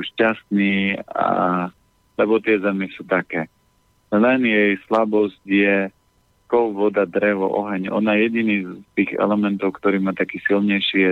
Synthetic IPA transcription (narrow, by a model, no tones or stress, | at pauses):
uʃcast̪niːa̰ | lɛbɔt̪ɪɛzɛmɛsut̪akɛː | lɛnjɛjslabɔzcjɛ | kɔʊʋɔd̪ad̪ɾɛʋɔ̰ʔɔ̰ɦɛɲɔ̰najɛɟiniːzt̪iːɣɛ̰lɛmɛnt̪ɔʊkt̪ɔɾiːmaːt̪akiːsilɲɛjʃɪɛ